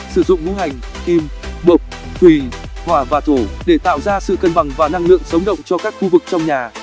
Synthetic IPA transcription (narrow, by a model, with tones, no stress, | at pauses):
sɨ˧˩zʊ̰˧˨ŋ͡mvu˨˦ha˨˩jŋ̟ | ki˧m | ɓo˨˩k͡p̚ | t̪ʰwi˨˩hwaː˧˩vaː˨˩t̪ʰo˧˩ɗe˧˩t̪a̰ː˧˨wzaː˧sɨ̰˧˨kə˧nɓa˨˩ŋvaː˨˩na˧ŋlɨ̰˧˨əŋsə˨˦wŋ͡mɗə̰˧˨wŋ͡mt͡ɕɔ˧kaː˦˥k̚xu˧vɨ˨˩k̚t͡ɕɔ˧wŋ͡mɲaː˨˩